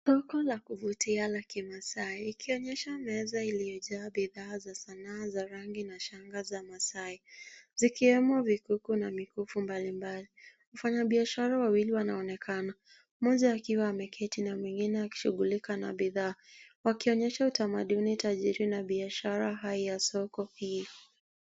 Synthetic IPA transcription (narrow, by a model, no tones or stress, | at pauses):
sɔkɔlakuvutialakimasaiːkʰiɔɲɛʃamɛzailijɔʄaːɓiðaːzasanaːzaɾaŋɡinaʃaŋɡazamasaizikiwɛmɔvikukunamikufumbalimbali | ufaɲaɓiaʃaɾawawiliwanaɔnɛkʰana | mɔʄaːkiwaːmɛkʰɛtinamwɛŋɡinɛaki̥ʃuɠulikana̰ɓiðaːwakiɔɲɛʃautamaɗunitaʄiɾinaɓiaʃaɾaɦaijasɔkɔhi